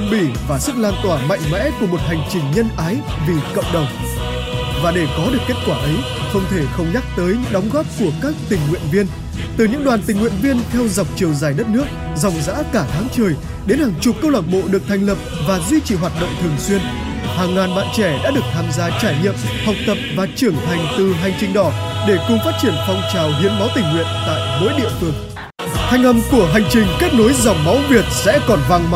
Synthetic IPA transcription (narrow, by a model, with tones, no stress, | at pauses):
ə˧ŋ͡mɓi˧˩vaː˨˩sɨ˦˥k̚laː˧nt̪waː˧˩ma̰˧˨jŋmɛ̰˧˥ku˧˩əmo˨˩t̚ha˨˩jŋ̟t͡ɕï˨˩ŋ̟ɲə˧nʔaː˨˦j | vi˨˩kə̰˧˨wŋ͡mɗə˨˩wŋ͡m | vaː˨˩ɗe˧˩kɔ˨˦ɗɨ˨˩əkːe˦˥t̚kwaː˧˩ʔə˨˦j | xə˧wŋ͡mt̪ʰe˧˩xə˧wŋ͡mɲa˦˥k̚t̪əː˨˦jɲɨ̰˧˥ŋɗɔ˨˦wŋ͡mɣɔː˦˥p̚ku˧˩əkaː˦˥k̚t̪ï˨˩ŋ̟ŋwḭ˧˨ənvi˧ən | t̪ɨ˨˩ɲɨ̰˧˥ŋɗwaː˨˩nt̪ï˨˩ŋ̟ŋwḭ˧˨ənvi˧ənt̪ʰɛ˧wza˨˩wk͡p̚t͡ɕi˨˩əwzaː˧˩jɗə˦˥t̚nɨ˦˥ək̚ | za˨˩wŋ͡mza̰ː˧˥kaː˧˩t̪ʰaː˨˦ŋt͡ɕəː˨˩j | ɗe˨˦nhaː˨˩ŋt͡ɕʊ˨˩p̚kə˧wlaː˨˩t̚ɓo̰˧˨ɗɨ˨˩ək̚t̪ʰa˨˩jŋ̟lə˨˩p̚vaː˨˩zwi˧t͡ɕi˧˩ɦwaː˨˩t̚ɗo̰˧˨wŋ͡mt̪ʰɨ˨˩əŋswi˧ən | haː˨˩ŋːaː˨˩nɓa̰ː˧˨nt͡ɕɛ˧˩ɗa̰ː˧˥ɗɨ˨˩ək̚t̪ʰaː˧mzaː˧t͡ɕaː˧˩jɲḭ˧˨əmhɔ˨˩wk͡p̚t̪ə˨˩p̚vaː˨˩t͡ɕɨ˧˩əŋt̪ʰa˨˩jŋ̟t̪ɨ˨˩ɦa˨˩jŋ̟t͡ɕï˨˩ŋ̟ɗɔ˧˩ | ɗe˧˩kʊ˨˩ŋ͡mfaː˦˥t̚t͡ɕi˧˩ənfɔ˧wŋ͡mt͡ɕaː˨˩wɦḭ˧˥ənma˨˦wt̪ï˨˩ŋ̟ːwḭ˧˨ənt̪a̰ː˧˨jvə̰˧˥jɗḭ˧˨əfɨ˨˩əŋ | t̪ʰa˨˩jŋ̟ʔə˨˩mku˧˩əɦa˨˩jŋ̟t͡ɕï˨˩ŋ̟ke˦˥k̚no˨˦jza˨˩wŋ͡m̚ma˨˦wvi˨˩ət̚sɛ̰˧˥kɔ˨˩nva˧ŋ